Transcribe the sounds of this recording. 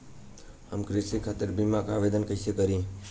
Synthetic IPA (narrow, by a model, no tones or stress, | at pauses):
həmkɾɪsikʰaːt̪ɪɾbimakaaːʋeːd̪ənkəsekəɾĩː